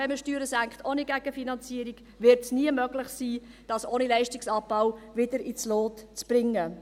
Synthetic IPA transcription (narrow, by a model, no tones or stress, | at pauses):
ɛməʃtyːɾəsæŋkχtʰoːniɡæɡ̥əfinɑnt͡siəɾiɡ̥ | vɪɾtsniəmøɡlɪχsiː | d̥ɑsoːnilɛɪʃtɪksɑb̥awvɪdəɾit͡sloːtt͡sb̥rɪŋːə